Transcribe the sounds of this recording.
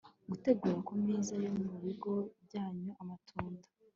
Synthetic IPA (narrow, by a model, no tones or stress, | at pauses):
ɡute̞ɡuːɾakumiːzajo̞muβiɡo̞b̚ɟaːɲuʔamatʰuːndḁ